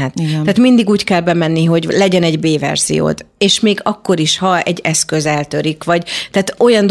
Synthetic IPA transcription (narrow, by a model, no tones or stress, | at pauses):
at̪aːt̪mind̪iɡuːckɛlbɛmɛnːiɦo̞ɟlɛɟɛnɛɟbeːvɛ̰rz̥ḭjo̰ːd̪eːʃmeːɡɒkːo̞ɾiʃhɒɛ̰ɟːɛskø̞zɛlt̪ø̞ɾikʋɒɟt̪ɛːt̪o̞jɒnd̪